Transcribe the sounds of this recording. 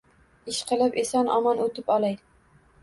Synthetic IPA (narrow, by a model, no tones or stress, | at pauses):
ɪʃqʰɨlˠɪpesɒnɒmɒnɵt̪ɪpɒlˠaj